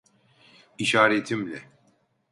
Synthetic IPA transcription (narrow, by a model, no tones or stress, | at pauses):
iʃaːɾet̪ʰimlʲɛ